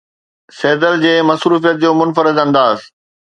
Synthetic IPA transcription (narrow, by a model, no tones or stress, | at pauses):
seːd̪əld͡ʑeːmɐsɾuːfijət̪̚d͡ʑoːmʊnfəɾɪd̪ɐ̃nd̪aːs